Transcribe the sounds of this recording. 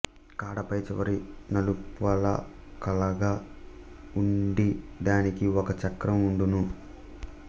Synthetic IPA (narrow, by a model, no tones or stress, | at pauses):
kaːɽɐpɐjt͡ʃɛʋɐɾinɐlupʋɐlɐ̰ | kɐlɐɡaː | uɳɖid̪aːnikiɔkɐt͡ʃɐkɾɐmuɳɖunu